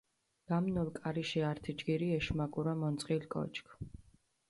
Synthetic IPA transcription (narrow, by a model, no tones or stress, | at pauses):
ɡ̥amnɔlˠkʼaɾiʃiaɾt̪ʰid͡ʒɡiɾiɛʃmaɡuɾamɔnt̪sʼqʼilkʼɔ̰t͡ʃʰkʰ